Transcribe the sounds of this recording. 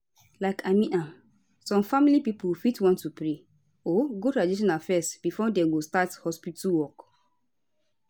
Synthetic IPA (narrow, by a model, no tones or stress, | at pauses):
laɪkʰamĩna | sɔ̃mfamilipipufitwɔ̃ntːupɹe | oɡotɹadiʃ̬ɔ̃nafɛstb̥ifɔdɛ̃ɡostathɔspituwɔk